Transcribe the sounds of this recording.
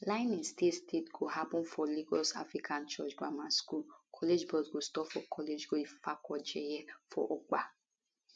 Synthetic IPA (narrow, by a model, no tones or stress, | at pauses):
lãɪ̃nĩstestetɡohapɔ̃nfɔliɡɔsa̰fɹikʰãnt͡ʃɔt͡ʃba̰maskulkʰɔled͡ʒbɔsɡostɔpfɔkʰɔled͡ʒɡofakɔd͡ʒɛjɛfɔ̰ʔɔk͡pa